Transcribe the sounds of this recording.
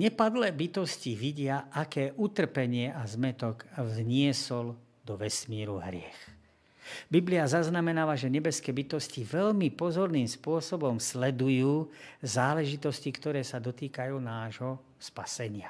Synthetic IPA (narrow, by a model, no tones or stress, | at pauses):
ɲɛpad̪lɛːbit̪ɔsciʋiɟɪaʔakɛːʔut̪r̩pɛɲɪɛʔazmɛt̪ɔɡvɲɪɛsɔl | d̪ɔʋɛsmiːɾuɦɾɪɛ̰x | bibliazaznamɛnaːʋaʒɛɲɛbɛskɛːbit̪ɔsciʋɛʎmipɔzɔɾniːmspʊɔsɔbɔmslɛd̪ujuːzaːlɛʒit̪ɔscikt̪ɔɾɛːsad̪ɔt̪iːkajuːnaːʒɦɔ | spasɛɲɪa